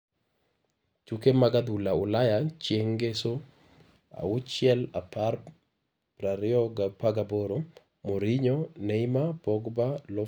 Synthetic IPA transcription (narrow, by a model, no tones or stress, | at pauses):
t͡ʃukemaɡad̪ulaʊlajat͡ʃjeŋɡeso | a̰ʊt͡ʃjɛlapaɾ | pɾaɾɪɔɡapaɡaboɾo | moɾiɲɔneimabɔɡbalɔ